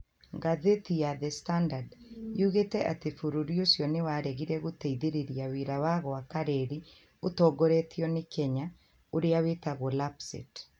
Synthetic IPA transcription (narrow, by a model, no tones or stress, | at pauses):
ŋɡaðetijaðɛstandadjuɣetɛʔatefoɾoɾiosjɔnewaɾɛɣiɾɛɣotɛiðeɾeɾiaweɾawaɣɔakaɾɛɾi | otɔːɡɔɾetʰiɔnekɛɲa | oɾeawetaɣolapsḛt